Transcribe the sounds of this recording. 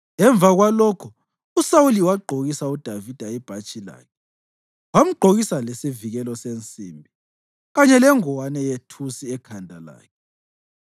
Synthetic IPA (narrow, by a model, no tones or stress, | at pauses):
ɛɱb̪vʱaɣwalɔkʰɔ | usawuliwaɡ͡ǃʱoɣisaud̥ʱavid̥ʱaɛb̥ʱat͡ʃʼila̰ːkʰɛ | wam̩ɡ͡ǃʱoɣisalesiviɣɛlɔsent͡sʼimbʱi | ɣaɲɛlɛŋɔwanɛjetʰusiɛkʰandʱala̰ːkʰɛ